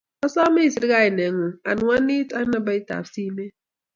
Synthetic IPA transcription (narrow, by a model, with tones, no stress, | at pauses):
ɔ˦sɔ˦mi˦˨si˨dɡa˦ɪ˨ne˨˦ŋu˨a̰˨n˨ŋʷa˦ni˦ta˦na˨ba˦i˦ta̰˨fsi˦me˦